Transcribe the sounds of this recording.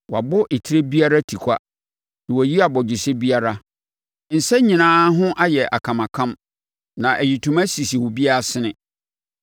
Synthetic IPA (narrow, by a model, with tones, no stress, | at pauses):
wa̰˨bʊ˦ʔɪ˨tʰi˦e˦bi˦a˦ɾa˦tʰi˨kʷʰa˦ | nɪ̃˨wɔ˨ji˦a˨bɔ˨d͡ʑɪ˨sɪ˦bi˦a˦ɾa˦ | n̩˨sɛ˦ɲĩ˨nãː˦ɦʊ̃˦ʔa˦jɛ˨ʔa̰˨kʰã˨mã˨kʰã˦m | nã˨ʔæ˨ji˨tʰũ˨mæ̃˦si˨si˨wʊ˨bi˦a˦˨sɪ˦nɪ̃˨